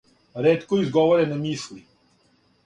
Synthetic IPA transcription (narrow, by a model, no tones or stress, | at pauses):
ɾeːt̪kɔizɡɔʋɔɾɛnamiːsli